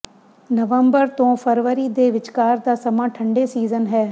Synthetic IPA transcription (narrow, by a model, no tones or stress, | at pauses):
nəʋəmbəɾt̪õːfʰəɾʋəɾiːd̪eːʋɪt͡ʃkaːɾd̪aːsɐmãːʈʰə̃ɳɖeːsiːzənɦɛː